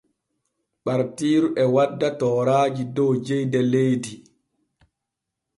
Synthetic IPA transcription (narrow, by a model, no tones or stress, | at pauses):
ɓaɾtiːɾuʔɛwadːatɔːɾaːd͡ʒidɔwd͡ʒɛjdɛlejdi